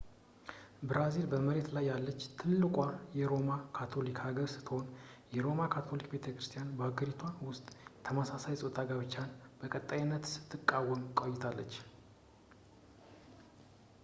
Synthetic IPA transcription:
bɾazilbəməɾe̞t̪lajːalːət͡ʃːt̪ʰɨlːɨkʼajɛɾo̞makʰat̪ʰo̞likhaɡəɾsɨ̥t̪ʰho̞njɛɾo̞makʰat̪ʰo̞likbe̞t̪ʰəkɾɨst̪ʰjanbəaɡəɾit̪ʰwanwʊst̪ʼjɛt̪ʰəməsasajsʼot̪ʼaɡaβɨt͡ʃːanb̥əkʼət̪ʼːajɪnːət̪sɨ̥t̪ʰːɨkʼːawːəmkʼojːɪt̪ʰalːə̰t͡ʃː

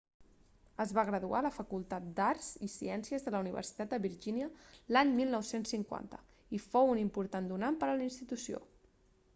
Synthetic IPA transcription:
əzβaɣɾəðualəfəkulˠt̪at̪̚d̪arz̥isiɛnsiəzðələuniβ̞ə̰ɾsi̥t̪at̪̚d̪əβiɾʒiniəlaɲmilˠnɔwsensːiŋkwa̰nt̪ə | ifowunimpuɾt̪and̪unampəɾəlinst̪it̪usio̰

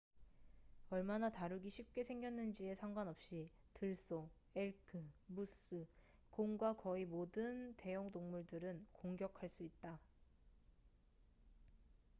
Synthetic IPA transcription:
ʌɭmanataɾuɡiɕʰip̚k͈e̞sʰe̞ŋɡjʌnːɯnd͡ʑie̞sʰaŋɡwanʌp̚ɕ͈i | tɯɭs͈o | eɭkʰɯmus͈ɯ | koŋɡwakʌimodɯnte̞jʌŋdoŋmuɭdɯɾɯnkoŋɡjʌkʰaɭs͈uit̚t͈a

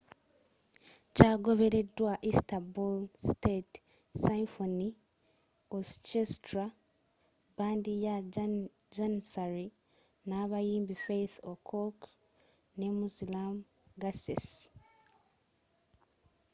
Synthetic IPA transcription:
caːɡo̞βe̞ɾe̞dwaʔistabulstet | safoni | ost͡ʃestɾa | baːndija | d͡ʒansaɾi | naːβajiːmbifejθokʰok | ne̞muzilam | ɡases

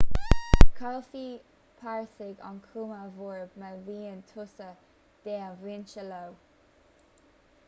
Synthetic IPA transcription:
kʰalfi | pʰaɹsɪɡɔ̰nkʰuməvuɹbməwiːəntʰʊsə | d̥ɛːəwɪnt͡ʃəlow

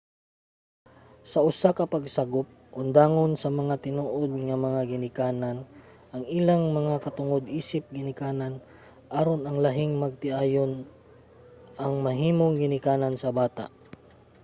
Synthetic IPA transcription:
sɐʔʊsakɐpɐɡsɐɡop̚ʔʊnd̪aːŋonsɐmɐŋat̪ɪnoːʔod̪̚ŋɐmɐŋaɡɪnɪkaːnan | ʔɐŋɪlaŋmɐŋakɐt̪ʊŋod̪ʔiːsɪp̚ɡɪnɪkaːnan | ʔaɾonɐŋlɐɦɪŋmɐɡ̚t̪ɪʔaːjon | ʔɐŋmɐɦiːmoŋɡɪnɪkaːnansɐbaːt̪a̰ʔ

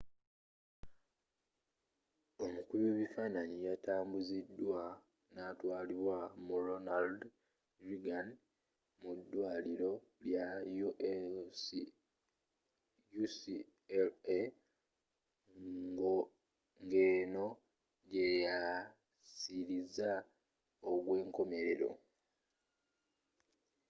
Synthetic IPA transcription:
o̞mukuleβifaːnaɲijataːmbuzidːwa | natwaːliβwamuɾonald | ɾiɡan | mudːwaːliɾo̞ljajuʔe | jus | ele | ŋɡo | ŋɡe̞ːno̞ | ɟeja | siɾiza | oɡwe̞ːŋko̞me̞ɾe̞ɾo̞̰

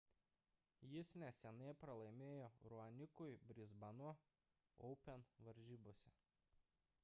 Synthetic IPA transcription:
jɪsnʲɛsʲɛnɐɪpɾɐlˠɐɪmʲeːjoːɾuɐnʲɪkʊɪbʲɾʲɪzbɐnuɔ | ɔʊpʲɛnʋɐɾʲʒʲiːboɔsʲɛ

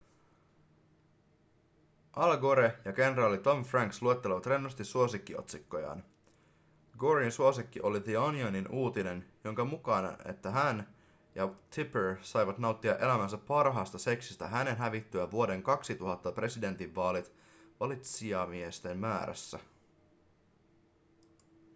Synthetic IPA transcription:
ʔɑlɡoɾejɑɡe̞nrɑːlit̪o̞mfræŋkslue̞t̪ːe̞leʋɑt̪re̞nːost̪isuo̞sikːio̞̰t̪sikːo̞jɑ̰ːn | ɡoɾiinsuo̞sikːiʔo̞liðionioninuːt̪ine̞njo̞ŋkɑmukɑnɑ̰e̞̰t̪ːæɦæn | jɑt̪ʰipeɹsɑjʋɑt̪nɑwt̪ːiɑʔe̞læmæns̬æpːɑrɦɑːst̪ɑse̞ksist̪æɦæne̞nɦæʋit̪ːyæʋuo̞de̞ŋkɑksit̪uɦɑt̪ːɑpre̞side̞nt̪iʋːɑːlit̪ | ʋɑlit̪siɑmiest̪e̞mmæːɾæ̰sːæ̰

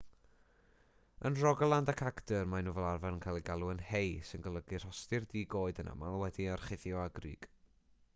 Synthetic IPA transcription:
ənrɔɡlˠandakʰaɡtərmanuːvɛlˠarvanənkʰalˠiɡalˠuənhejsɪnɡəlˠəɡir̥ɔstɪrdiːɡoːɨdənʔa̰malˠwɛdiarχɪθjɔaɡrḭːɡ̥

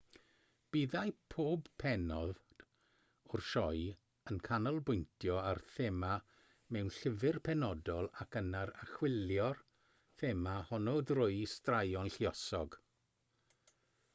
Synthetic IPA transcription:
b̥iðajpʰoːbpʰɛnɔð | ʊrʃɔj | ənkʰanɔlˠbʊjntʰjɔarθema | mɛwnɬɪvɪrpʰɛnɔdɔlˠakənaɾaχwɪlˠjɔr | θemahɔnɔdrʊɨstrajɔnɬiɔsɔɡ

